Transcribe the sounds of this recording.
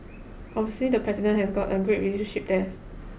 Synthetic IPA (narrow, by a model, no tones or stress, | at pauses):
ʔɔbviəslidəpʰɹɛzidə̃nhɛsɡɔtəɡɹet̚ɹiliʃə̃nʃip̚dɛ